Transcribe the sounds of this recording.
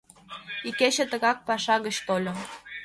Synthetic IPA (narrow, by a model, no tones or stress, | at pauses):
iket͡ɕə̆t̪ə̆ɣɑk̚pɑʃɑɣət͡ɕt̪olʲŏ